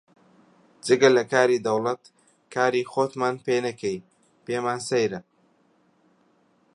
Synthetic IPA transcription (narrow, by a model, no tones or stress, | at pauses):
d͡ʒɨɡɐlɐkaːɾiːd̪ɐwlɐt̪ | kʰaːɾiːxoːt̪maːnpeːnɐkʰej | peːmaːnsɐjɾɐ